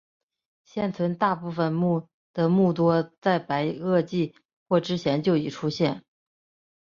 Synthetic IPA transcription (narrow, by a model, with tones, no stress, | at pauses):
ɕjɛ˥˩nt͡sʰwə˧˥nt̪a˥˧pu˥˩fə˩nmu˥˩ | d̪̥ə˨mu˥˩t̪wɔ˥t͡sa˥˩ɪpa˧˥ɪɤ˥˧t͡ɕi˥˧ | xwɔ˥˩ʈ͡ʂɻ̩˥ɕjɛ˧˥nt͡ɕjo˥˩ʊi˨˩ʈ͡ʂʰu˥ɕjɛ˥˩n